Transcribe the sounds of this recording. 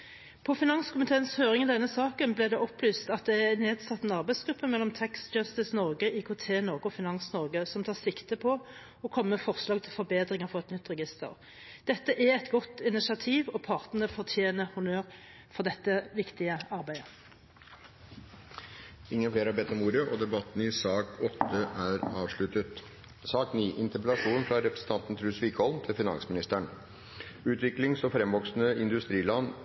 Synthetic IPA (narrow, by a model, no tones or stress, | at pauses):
pʰɔfɪnɑŋskʰʊmɪt̪ʰeːənshøːʁɪŋɪd̪ɛnːəsɑːkənblɪːd̪ɛʔɔplyːst̪ɑt̪̚d̪ɛæneːd̪sɑt̪ːɛnɑʁbæɪsɡɾʉpːəmɛlːɔmt̪ʰæksd͡ʒɑst̪ɪsnɔʁɡəʔiːkʰot̪ʰeːnɔʁɡəɔfɪnɑŋsnɔʁɡəsɔmt̪ʰɑːʁsɪkt̪əpʰɔ | ɔkʰɔmːəfɔʁslɑːɡ̚t̪ʰɪlfɔɾbeːd̪ʁɪŋəfɔʁɛt̪nʏt̪ːʁɛɡɪst̪ə̰ʁ | dd̪̥ɛt̪ːəʔæɛt̪ɡɔt̪ɪnɪsɑt̪ʰiːʋɔpʰɑʁt̪nəʁəfɔʁt̪ʰjeːnəhʊnøːʁ | fɔʁd̪ɛt̪ːəʋɪkt̪ɪəɑʁbæɪə | ɪŋːənfeːɾæɾbɛt̪ːɔmuːɾəʔɔd̪ɛbɑt̪ːn̩ɪsɑːkɔt̪ːəʔæɾɑːʋʂɭʉt̪ət̪ | sɑːkniːʔɪnt̪əpɛlɑʂuːnfɾɑɾɛpɾəsən̩t̪ʰɑnt̪n̩t̪ʰɾʉːsʋiːkhɔlmt̪ʰɪlfɪnɑ̰nsmɪnɪst̪æɳ | ʉːt̪ʰʋɪklɪŋsɔfɾɛmʋɔksnəɪnd̪ʉst̪ɾiːlɑn